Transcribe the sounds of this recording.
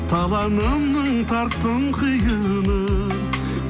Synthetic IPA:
t̪ʰɑlˠɑnəmnəɴt̪ʰɑɾt̪ːəɴqʰəjənə

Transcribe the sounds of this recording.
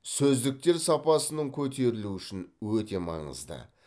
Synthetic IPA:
sɵzd̪ɪk̚t̪e̞ɾsɑpɑsənəɴkʲʰɵt̪ʰe̞ɾɪluʏʃɪnwɵt̪e̞mɑ̰ɴə̰zd̪ə̰

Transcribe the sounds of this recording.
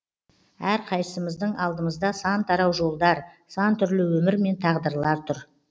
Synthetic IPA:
æɾqʰɑj̪əsəməzd̪əɴɑlˠd̪əməzd̪ɑsɑnt̪ʰɑɾɑwʒo̞lˠd̪ɑɾsɑnt̪ʰʏɾlɪwɵmɪɾme̞nt̪ʰɑʁd̪əɾlˠɑɾt̪ʰʊɾ

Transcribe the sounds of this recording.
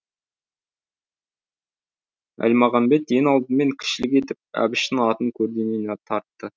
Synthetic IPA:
æ̰lʲmɑʁɑmbe̞t̪je̞nɑlˠd̪əme̞ŋkʲʰɪ̥ʃɪlɪk̬ʲe̞t̪ɪp̚æ̰bɪʃt̪ɪŋɑt̪əŋkʲʰɵɾd̪e̞nenet̪ʰɑɾt̪ːə

